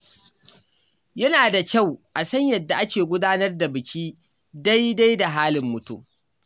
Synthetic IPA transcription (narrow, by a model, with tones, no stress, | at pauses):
jɐ˦naː˨da˨kʲa˦˨wʔa˨sɐ˦ɲjɐ˨dːa˨ʔa˦kʲeː˨ɡʷʊ˦daː˦nɐ˦rda˨bɪ˨kʲʰiː˦ | da˦jda˦jda˨ɦaː˦lɪ˨mːʊ˨tṵ˦m